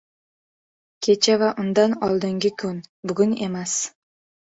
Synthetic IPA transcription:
kʲʰet͡ʃʰavaʔʊnd̪ɑnɒlˠd̪ɨŋɡʲɪkʲʰɵnbʊɡʲʊnemas

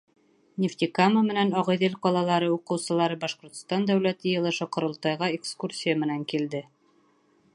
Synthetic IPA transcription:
nʲɪft̪ʲikaməmɘ̆nænɒʁɤjðɘlqɒlˠɑlˠɑɾɤuqɤ̆wsɤ̆lˠɑɾɤbɑʃqŏɾt̪st̪ɑnd̪æwlæt̪ɘjɤ̆lˠɤ̆ʃɤqŏɾŏlˠt̪ɑjʁɑekskursʲijamɘ̆næŋkild̪ɘ

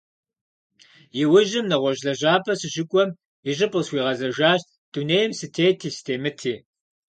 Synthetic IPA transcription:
jɪwʊʑɪmnɐʁʷɔʑɮɐʑaːpʰɐsɨʑɪkʷʼɔm | ɪʑɪpʼqəswiːʁɐzɐʒaːɕt̚ | d̥uneːjɛmsɨtʰeːjtʰiːstʰeːmɨtʰeː

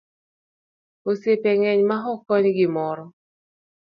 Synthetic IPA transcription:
osepɛŋɛɲmaɦɔkɔnɪɡɪmɔɾɔ

